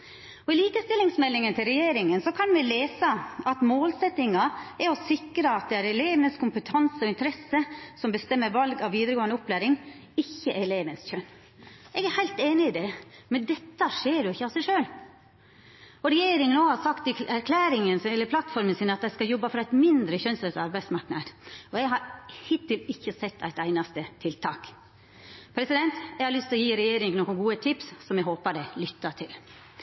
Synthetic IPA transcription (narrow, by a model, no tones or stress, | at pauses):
ɔɪliːkəst̪ɪlːɪŋsmɛlːɪŋənt̪ʰɪlɾɛjeːɾɪŋənsɔkʰɑnʋɪleːsəɑt̪moːlsɛt̪ɪŋɑɛɾɔsɪkɾəɑt̪̚d̪ɛæɾɛleːʋənəskʰʊmpət̪ʰɑnsəɔɪnt̪əɾɛsːəsɔmbəst̪ɛmːəɾʋɑlɡɑʋʋiːd̪əɾəɡoːənəʊpːlæːɾɪŋ | ɪçːəʔæleːʋənsçœnː | ɛɡæɾhæɪlt̪eːnɪːd̪ɛmɛnd̪ɛt̪ːəʂeːɾjʊɪçːəɑsɛɪʂøːl | ɔɾɛjeːɾɪŋənoːhɑsɑkt̪ɪæɾkʰlæːɾɪŋənsɛlːəɾpʰlɑt̪fɔɾmənsiːnəɑt̪̚d̪æskɑjɔbːɑfɔɾɑæɪt̪mɪnd̪ɾəçœnsøsɑɾbæɪd̪smɑɾknɑd̪ɔɛɡɦɑɾhɪt̪ʰːɪlɪçːəsɛt̪ʰːæ̰ɪt̪æɪnɑst̪ət̪ʰɪlt̪ʰɑːk | pʰɾɛsɪd̪ɛnt̪ɛɡhɑɾlʏst̪ɪlɔjiːɾɛjeːɾɪŋnoːkːənɡuːət̪ʰɪpssɔmjɛɦoːpəɾɖɛlʏt̪ːɑt̪ʰɪl